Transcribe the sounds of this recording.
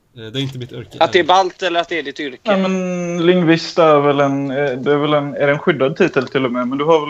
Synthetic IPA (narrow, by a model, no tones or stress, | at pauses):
ɪt̪əat̪̚d̪ɛɛɾbalt̪ɛlːəɾat̪d̪ɛæɖɪt̪ʏɾknɛːmɛnlɪŋːvɪst̪æɾvɛlɛnd̪ɵæɾvɛlɛnæɖɛːnɧʏd̪ːad̪̚t̪ʰiːt̪əlt̪ʰɪlːɔmɛmɛnd̪ɵɦaɾvɛl